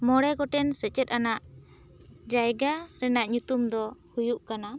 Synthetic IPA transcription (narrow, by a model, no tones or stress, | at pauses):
mɔɽɛɡɔʈɛnsɛt͡ʃɛt̪̚ˀanaʔ | d͡ʒajɡaɾɛnaʔɲut̪umd̪ɔhujuʔkana